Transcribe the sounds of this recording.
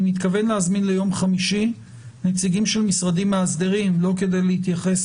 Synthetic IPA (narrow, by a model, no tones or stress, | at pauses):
mit̪kave̞nleazminle̞jo̞mχamiʃi | net͡siɡimʃelmisʁadimaːsd̪eʁimlo̞ke̞d̪e̞jleit̪jaχe̞s